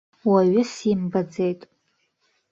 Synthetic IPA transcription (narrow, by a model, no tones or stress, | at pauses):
waɥɪsimbad͡ze̞jtʼ